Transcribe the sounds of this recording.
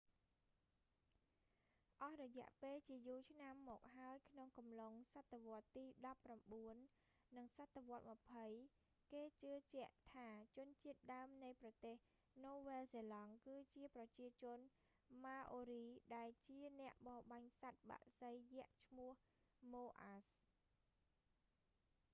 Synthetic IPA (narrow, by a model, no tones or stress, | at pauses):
ʔɑhrɔjɛ̆əʔpeːlt͡ɕiəjuːlt͡ɕʰnamːɔːk̚ɦaəjkʰnoŋkɑmloŋsat̪ʰːeʋŏət̪ːiːɗɑpːramɓuənː | ɨŋsat̪ʰːeʋŏət̪̚mə̆pʰəj | keːt͡ɕɨət͡ɕɛ̆əʔt̪ʰaːt͡ɕʊ̆ənt͡ɕiət̪̚ɗaəmnɨjprɑt̪eːhː | oːʋeːlseːlɑŋkɨːt͡ɕiəprɑt͡ɕiət͡ɕʊ̆ən | maːʔoːɾiːɗaɛlt͡ɕiənɛ̆əʔɓɑːɓaɲsat̪̚ɓa̰ʔsəjːɛ̆əʔt͡ɕʰmʊəh | moːʔas